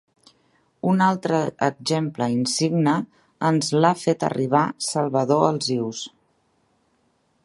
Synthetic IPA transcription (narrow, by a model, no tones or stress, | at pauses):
unalˠt̪ɾəəɡzempləinsiɡnə | ənzlafet̪ə̰riβ̞asəlˠβəðoəlˠziws